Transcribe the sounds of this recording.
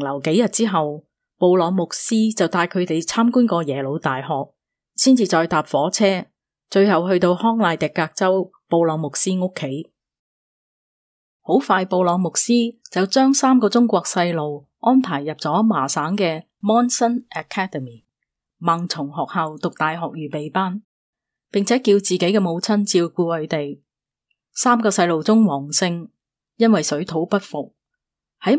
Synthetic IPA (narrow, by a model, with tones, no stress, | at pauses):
lɐ˨˩wke˨˥jɐ˨t̚t͡siː˥ɦɐ˨w | po˧wlɔː˨˧ŋmʊ˨k̚siː˥t͡sɐ˨wt̪aː˧jkʰɵ˨˧ɥt̪e˨jt͡sʰaː˥mkuː˥nkɔː˧jɛː˨˩lo˨˧wt̪aː˨jɦɔː˨k̚ | siː˥nt͡siː˨t͡ʃɔː˧jt̪aː˨p̚fɔː˨˥t͡sʰɛː˥ | t͡ʃɵ˧ɥɦɐ˨whɵ˧ɥt̪o˧whɔː˥ŋlaː˧jt̪ɪ˨kːaː˧k̚t͡sɐ˥w | po˧wlɔː˨˧ŋmʊ˨k̚siː˥ŋʊ˥kʰːe˨˥j | ho˨˥wfaː˧jpo˨˧wlɔː˨˧ŋmʊ˨k̚siː˥t͡sɐ˨wt͡ʃœː˥ŋsaː˥mkɔː˧t͡sʊ˥ŋkʷɔː˧k̚sɐ˧jlo˨w | ŋɔː˥npʰaː˨˩jːɐ˨p̚t͡sɔː˨˥maː˨˩saː˨˥ŋkɛː˧ | mɔː˥nsɐ˥nʔa˨kʰɛː˥də˨miː˨˩ | ma˨ŋt͡sʰʊ˨˩ŋɦɔː˨k̚hɐ˨wt̪ʊ˨k̚t̪aː˨jɦɔː˨k̚jyː˨˩pe˨jpaː˥n | pɪ˨ŋt͡sʰɛː˨˥kiː˧wt͡siː˨ke˨˥jkɛ˧mo˨˧wt͡sʰɐ˥nt͡siː˧wkuː˧hɵ˨˧ɥt̪e˨j | saː˥mkɔː˧sɐ˧jlo˨wt͡sʊ˥ŋwɔː˨˩ŋsɪ˧ŋ | jɐ˥nwɐ˨jsɵ˨˥t̪ʰo˨˥wpɐ˥t̚fʊ˨k̚ | hɐ˨˥j